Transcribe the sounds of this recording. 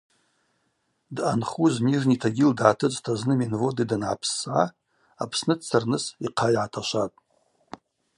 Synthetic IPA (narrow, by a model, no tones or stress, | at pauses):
dʔanχuzmiʐnitʰaɡʲildʕatʰɨt͡sʼtʰaznɨminvodidanʕa̰pʰsːʕa | apʰsnɨdt͡sʰarnɨsiqʰajʕatʰaʃʷatʼ